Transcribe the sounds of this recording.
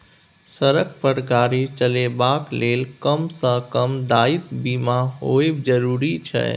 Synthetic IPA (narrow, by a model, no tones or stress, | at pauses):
səɾəkpəɾɡaːɾit͡ʃəlebaːkleːlkəmsə̃kəmd̪aːɪt̪bimãɦoːebd͡ʒəɾuːɾit͡ʃʰɛ̰